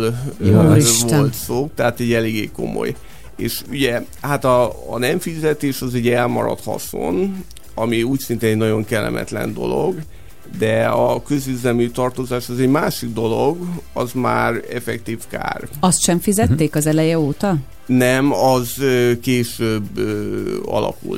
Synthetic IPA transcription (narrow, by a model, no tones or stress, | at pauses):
l | volt̪soːt̪ɛɦaːt̪ɛɟːɛleːɡeːko̞̰mo̰j | ḛːʃyɟɛ | hat̪ɒ̰ːnɛɱfizɛt̪eːʃɒzɛɟːɛlmɒɾɒ̰t̪hɒ̰so̰n | ɒmiuːcsint̪eːnɛɟnɒɟo̞ŋkɛlːɛ̰mʔɛ̰t̪lɛ̰nd̪o̞̰lo̞ɡ | d̪ɛɒkø̞zyzɛlmyt̪ɒrt̪ozaːʃɒzɛɟmaːʃiɡ̚d̪o̞lo̞ɡɒzma̰ːrɛfɛkt̪iːfka̰ːrɒst̪ʃɛɱfizɛt̪ːeːkɒzɛlɛjɛoːt̪ɒ | nɛmɒzøkeːʃøbøɒ̰lɒ̰kṵl